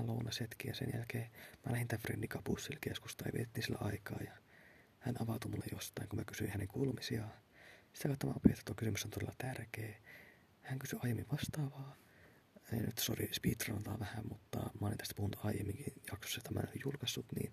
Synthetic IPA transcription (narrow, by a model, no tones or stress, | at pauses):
lounɑset̪kijɑsḛnjæ̰lkeːmælæhint̪æfrḛnːikɑpusːilkeskust̪ɑjɑʋiet̪et̪ːiːnsilːæ̰ɑikɑ̰ːjɑ | hænɑʋɑt̪umulːejjost̪ɑiŋkumækysyihæneŋkuːlumisiɑsi̥t̪ækɑˑt̪ːomɑ̰opiet̪ːɑ̥t̪ːokysymysːont̪olelːɑt̪ærkeː | hæŋkysyɑijemːiʋʋɑst̪ɑːʋɑː | enyt̪sorispiːt̪rɑnɑt̪ɑʋæhæmmut̪ːɑ̰mɑolint̪æst̪æ̥puhunːut̪ʰɑijemːiŋkijɑkso̥sːjot̪ːæmæ̰nojjulkɑsːut̪nḭːn